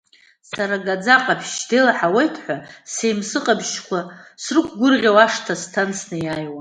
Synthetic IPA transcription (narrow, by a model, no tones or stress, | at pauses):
saɾaɡad͡zaqʼapʰʃdelaħawejtʰħʷasejmsɨqʼabʒkʷʰasrɨkʷʰɡʷʊrʁʲawaʂtʰastʰant͡sʰnɨjajwa